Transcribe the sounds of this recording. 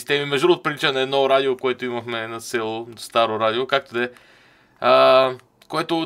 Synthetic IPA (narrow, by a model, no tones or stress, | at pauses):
i̥st̪ɛmimɛʒd̪ɾoːt̪̚pɾit͡ʃənɛːd̪nɔɾad̪iokoɛt̪ʊimɐxmɛnɐt̪sɛlˠst̪aɾoɾad̪iokak̚t̪od̪ɛ | ə | koɛt̪o